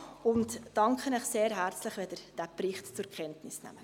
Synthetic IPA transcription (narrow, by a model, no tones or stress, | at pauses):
ʊntdɑŋkχənəχseːɾɦært͡slɪχʋɛd̪əɾd̥æprɪχtt͡sʊɾkχɛntnɪsnæ̰mə